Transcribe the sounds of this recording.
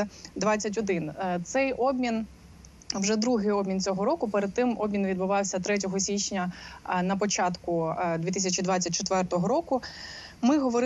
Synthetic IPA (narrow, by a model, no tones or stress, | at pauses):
d̪ʋɑt͡sʲːɐt̬ʲɔd̪ɪnt̪sɛjɔbmʲin | wʒɛd̪ɾuɦɪjɔbmʲint̪t͡sʲɔɦɔɾɔkʊpɛɾed̪̚t̪ːɪmɔbmʲinʋʲid̪bʊʋɑwsʲɐt̪ɾɛt̬ʲɔɦɔsʲit͡ʃʲnʲɐnɐp̬ɔt͡ʃɑt̪kʊd̪ʋʲit̪ɪsʲɐt͡ʃid̪ʋat͡sʲːɐtʲt͡ʃet̪ʋɛrt̪ɔɦɔɾɔkʊ | mɪɦɔʋɔɾ